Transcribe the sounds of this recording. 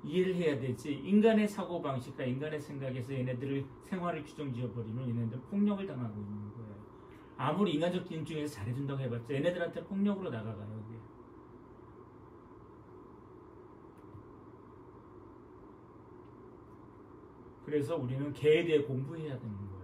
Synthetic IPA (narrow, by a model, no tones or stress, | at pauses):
ieɾɯɭhe̞jade̞d͡ʑiinɡane̞sʰaɡobaŋɕʰik̚k͈ainɡane̞sʰe̞ŋɡaɡe̞s̬ʰʌene̞dɯɾɯɭsʰe̞ŋɦwaɾɯɭt͡ɕud͡ʑʌŋd͡ʑiʌbʌɾimjʌnenedɯɾpʰoŋɲʌɡɯɭtaŋɦaɡoinːɯnɡʌejo | amuɾiiŋɡand͡ʑʰʌk͈nt͡ɕuŋe̞sʰʌt͡ɕaɾɦe̞d͡ʑundaɡoɦebat̚t͡ɕ͈ʌe̞ne̞dɯɾantʰe̞pʰoŋɲʌɡɯɾonaɡaɡajoɡe | kɯɾe̞s̬ʰʌuɾinɯnke̞ːdeːkombuɦe̞jadwe̞nɯnɡʌ